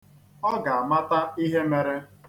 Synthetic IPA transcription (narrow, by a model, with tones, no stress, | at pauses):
ɔ˦ɡa˨a˨ma˦ta˦i˦ɦe˦me˨ɾe˦